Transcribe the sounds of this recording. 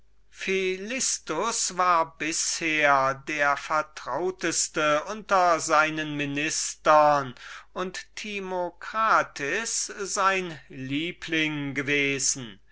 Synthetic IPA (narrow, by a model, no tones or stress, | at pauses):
filɪstʊsvaːɐbɪsheːɐdeːɐfɛɐtʁ̥aʊtəstəʔʊntɐzaɪnənmɪnɪstɐnʊnttʰimokʁ̥aːtʰɪsz̥aɪnliːpʰlɪŋɡəveːzn̩